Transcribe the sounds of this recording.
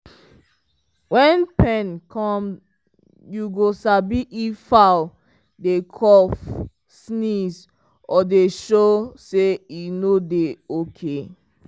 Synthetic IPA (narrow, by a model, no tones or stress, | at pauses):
wɛ̃npɛ̃nkʰɔ̃m | juɡosabiʔifaʊ | dekʰɔf | sniz | ɔdeʃoseinodeokʰe